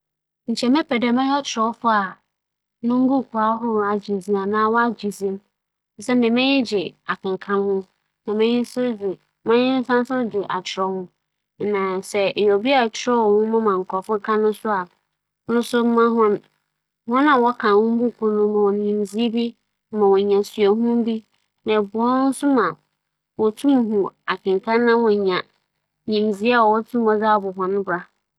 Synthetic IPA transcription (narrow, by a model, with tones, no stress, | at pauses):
n̩˨t͡ɕʰɛ˨mɛ̃˦pʰɛ˨dɛ˨mɛ̃˦jɔ˦t͡ɕʰɪ˨ɾɔ˨wɔ˦fʊ˦a˨ | nʊ̃˦ŋ̩˦ɡũ˦˨kʰu˨a˦ɦʊ˦ɾa˨d͡ʑi˨zĩ˦a˨nãː˨wɔ˦a˦d͡ʑi˨zĩ˦m | n̩˨sɛ˦n̩˦dɪ˨mɛ̃˦ɲɪ̃˦d͡ʑɪ˨a˨kʰã˨ŋ˨kʰã˦mhʊ̃˦ | nã˨mɛ̃˦ɲɪ̃˦n˦sʊ˦d͡zi˨ | mã˦ɲɪ̃˦n̩˦sã˦sʊ̃˦dʊ˨ʔa̰˨t͡ɕʰɪ˨ɾɔ˦hʊ̃˦˨ | nã˨sɛ˨jɔ˨bi˦a˦˨t͡ɕʰɪ˨˦ɾɔ˦wɔ˨hʊ̃˦mã˦mã˨ŋ̩˨kʰɔ˨fʊ˦kʰã˦nʊ̃˦sʊ˦a˨ | nʊ̃˦sʊ˦m̩˦mã˦ɦɔ̃˦n˦ | hʊ̃˦nã˨wɔ˦kʰã˨nhʊ̃˦m̩˦bʊ˦˨kʰu˦nʊ̃˦mã˨wɔ˨ɲĩ˨mzi˦bi˦ | mã˨wɔ˨ɲã˨sɥa˨ɦũ˦m˦bi˦ | nã˨bʊ˨ɔ˦nʊ˦n̩˦sʊ˦mã˨ | wɔ˨tʰũ˦m˨ɦũ˨a˨kʰɪ̃˨ŋ˨kʰã˦nː˦ã˦wɔ̃˨ɲã˨ | ɲĩ˨mzi˦a˦wɔ˨wɔ˦tʰũ˦m˦ɔ˨d͡za˦˨bʊ˨ɦɔ̃˨nʊ̃˦bɾa˦